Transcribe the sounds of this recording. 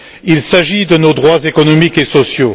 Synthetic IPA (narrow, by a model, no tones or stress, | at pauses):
ilsaʒid̪ənod̪ʁwazekɔnɔmikesɔsjo